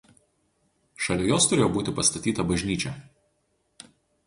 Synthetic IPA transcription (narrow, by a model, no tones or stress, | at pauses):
ʃɐlʲojoːst̪ʊɾʲeːjoːbuːt̪ʲɪpɐst̪ɐt̪ʲiːt̪ɐbɐʒʲnʲiːt͡ʃʲɛ